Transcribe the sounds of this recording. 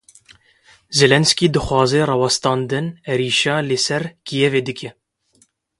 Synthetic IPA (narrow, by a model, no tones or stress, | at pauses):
zelɛnskiːd̪ɨxwɑːzɛrɑwɑst̪ɑːnd̪ɨnɛɾiːʃɑːlɨsɛɾkʰijɛveːd̪ɨkʰɛ